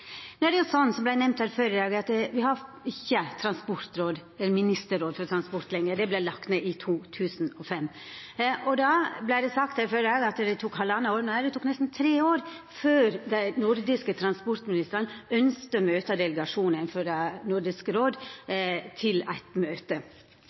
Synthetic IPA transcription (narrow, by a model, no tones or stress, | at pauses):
nuːɾɛɑsɔnːsɔmblæɪnɛmnt̪hæːɾfœɾəd̪ɑːɡɑt̪ʋɪhɑ | ɪçːət̪ʰɾɑnspɔɾt̪ɾoːd̪ɛlːəɾmɪnɪst̪əɾoːd̪fɔɾt̪ʰɾɑnspɔɾt̪lɛŋːəd̪ɛblælɑkt̪neːʔɪt̪ʰuːt̪ʰʉːsn̩ɔfɛmː | ʔɔd̪ɑblæɪd̪ɛsɑk̚t̪hæːɾfœɾəd̪ɑːɡɑt̪d̪ɛt̪ʰuːkhɑlːɑnːəoːɾd̪nhæd̪ɛt̪uːknɛst̪n̩t̪ʰɾeːoːɾ | føːɾd̪æɪnʊɾd̪ɪskət̪ʰɾɑnspɔɾt̪mɪnɪst̪əɾɑnœnskt̪əmøːt̪ɑd̪ɛləɡɑʂuːnɪnføɾɑnʊɾd̪ɪskɾoːd̪ | t̪ʰɪlæ̰ɪt̪møːt̪ə